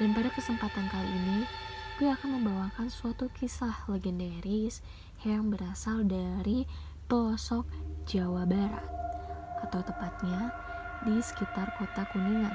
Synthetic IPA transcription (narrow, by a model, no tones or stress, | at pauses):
danpadakəsəmpat̪ankaliːnibiaːkanməmbawaŋkansuat̪ukisahleɡɛndaɾis | jaŋbəɾasaldaɾi | pəlɔsɔk̚d͡ʒawabaɾa̰t̪̚kat̪awt̪əpat̪̚ɲa | disə̥kit̪arkot̪akuniŋan